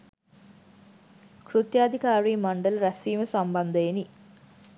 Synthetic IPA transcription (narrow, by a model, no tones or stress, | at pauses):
krut̪jaːd̪ʱikaːɾiːmaɳɖəlɾæsʋiːməsamband̪əeni